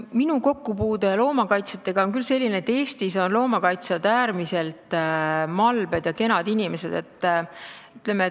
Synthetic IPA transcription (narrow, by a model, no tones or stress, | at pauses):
minuko̞kːupuːd̪e̞lo̞ːmɑkɑjt̪sɑt̪ːˑe̞ɡ̥ɑo̞nkylse̞lʲːineet̪ːe̞ːst̪iso̞nlo̞ːmɑkɑjt̪sɑd̪æːɾmise̞lt̪mɑlbe̞d̪̥jɑke̞nɑd̪inime̞se̞d̪̥e̞t̪ːˑyt̪lemeet̪